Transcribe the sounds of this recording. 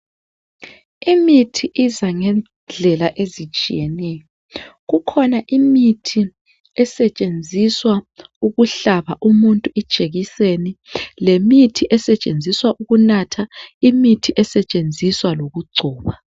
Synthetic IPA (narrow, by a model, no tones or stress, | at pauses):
imitʰiʔizaŋɛn | d͡ɮʱɛlaʔezit͡ʃʼḭjɛnɛjɔ | ɣukʰɔnaʔimitʰi | ɛsɛt͡ʃʼend͡zʱiswauɣuɬaβaʔumuntʼuɛd̥ʒ̥ʱeɣisenilemitʰiʔɛsɛt͡ʃʼend͡zʱiswaʔuɣunatʰaimitʰiʔɛsɛt͡ʃʼend͡zʱiswaloɣuɡ͡ǀʱɔːβa